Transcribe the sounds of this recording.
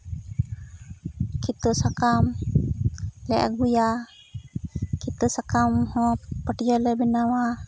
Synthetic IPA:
kʰit̪ɔsakam | lɛʔa̰ɡuja | kit̪ɔsakamhɔ̃pəʈijɔlɛbɛnawa

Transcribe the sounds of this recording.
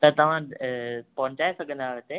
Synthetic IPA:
t̪ɐt̪ɐʋ̤ã | pɐʋɪ̃ɲt͡ɕaːesɐɡʱə̃nd̪aːʋet̪e

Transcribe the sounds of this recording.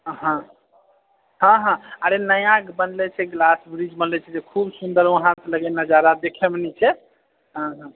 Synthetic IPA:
ɦã | ɦə̃ɦãaɾenəjãkbənlɛt͡ʃʰɛɡlasbɾid͡ʒbənlɛt͡ʃʰɛd͡ʒekʰubsund̪əɾʋəɦãtləɡɛnəd͡ʒaɾad̪ekʰɛmenɛt͡ʃʰɛ | ɦə̃ɦã

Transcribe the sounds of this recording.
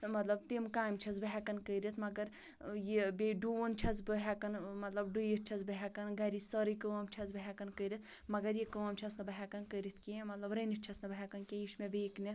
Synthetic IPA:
mɐt̪lɐbt̪imkaːjmt͡ʃʰɐsbɐɦɛkɐnkəɾit̪ʰmɐɡɐɾ | jebeɖunt͡ʃʰɐsbɨɦɛkɐnmɐt̪lɐbɖujit̪̚t͡ʃʰɐzbɐɦɛkɐnɡɐɾisəɾɨkəʋɐmt͡ʃʰɐzbɨɦɛkɐnkəɾit̪ʰmɐɡɐɾjikəʋɐmt͡ʃʰɐsnɐbɐɦɛkɐnkəɾit̪ʰkiẽmɐt̪lɐbɾɐnit̪̚t͡ʃʰɐsnɐbɐɦɛkɐnkeiʃmeʋeːknʲɐs

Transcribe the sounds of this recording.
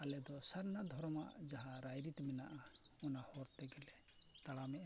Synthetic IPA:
alɛd̪ɔsaɾnad̪ʱɔɾɔma̰ʔd͡ʒaɦaɾajɾit̪mɛnaʔa | ɔnahɔɾt̪ɛɡɛlɛt̪aɽamɛʔa

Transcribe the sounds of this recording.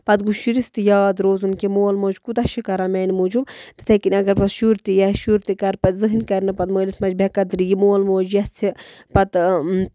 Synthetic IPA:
pɐt̪ɡuʃiɾist̪ɨjaːd̪ɾoːzunkemoːlmoːd͡ʒkut̪ɐʃikɐɾameːnimod͡ʒubt̪ɨ̥t̪ʰɐkinʲɐɡɐɾpɐsʃuɾt̪ijɐʃuɾt̪ikɐɾpɐt̪ʲzɨɦinʲkɐɾnɨpɐt̪məːlismɐd͡ʒbʲekɐd̪ɾijimoːɐlmoːd͡ʒjɐht͡sʰipɐt̪

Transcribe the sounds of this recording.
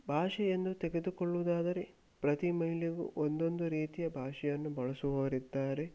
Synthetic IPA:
bʱaːʂɛjend̪ut̪eɡe̞d̪ukoɭːuʋud̪aːd̪ɐɾe̞ | pɾɐt̪imɐɦiliɡṵʔond̪o̞nd̪uɾiːt̪ijɐbʱaːʂɛjɐnːubɐɭɐsuʋɐːɐɾid̪ːaːɾe̞

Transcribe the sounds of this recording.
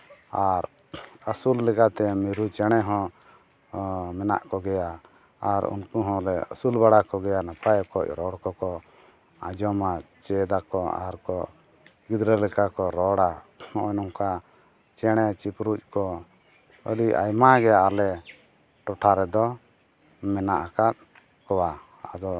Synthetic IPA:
aɾ | əsulːɛkat̪ɛmiɾut͡ʃɛɽ̃ɛɦɔ̃ | mɛna̰ʔkɔɡɛja | aɾṵnkuɦɔ̃lɛə̰sulbaɽakɔɡɛjanapʰajkɔcɾɔɽkɔkɔ | ã̰d͡ʒɔmat͡ʃɛd̪akɔa̰ɾkɔ | ɡid̪ɾɛlɛkakɔɾɔɽaɔnɔŋka | t͡ʃɛɽ̃ɛt͡ʃipɾuc̚ˀkɔ | əɾiʔa̰jmaɡɛaalɛ | ʈɔʈʰaɾɛd̪ɔ | mɛnaʔakat̪̚ | kɔwa | a̰d̪ɔ

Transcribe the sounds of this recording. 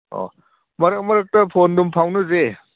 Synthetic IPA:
o̰ | mɐɾɐk̚mɐɾɐk̚tɐpʰondumpʰawnɯze

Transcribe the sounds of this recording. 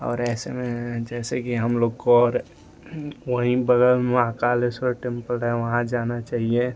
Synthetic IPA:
ɔ̰ːɾɛːsḛmẽd͡ʒɛːsekiɦɐmloːɡkoɔːɾ | ʋəɦĩbəɡəɾmẽãːkaːlesɔɾʈẽmpəlɖɦɛʋɐɦãd͡ʒaːnat͡ʃaːɦie

